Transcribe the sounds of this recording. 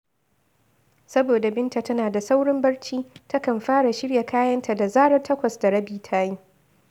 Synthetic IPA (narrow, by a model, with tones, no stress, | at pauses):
sɐ˦boː˨da˨bɪ˦nta˨tɐ˦naː˨da˨sa˦wɽɪ˦mbɐ˦ɽt͡ʃiː˦tɐ˦kɐ˨mɸaː˦ɽa˨ʃɪ˦ɽja˨kʰaː˦jɐ˦nta˨da˨zaː˦ɽɐ˦rtʰɐ˦kʷɐ˨sda˨ɽɐ˦biː˦tʰaː˦jiː˦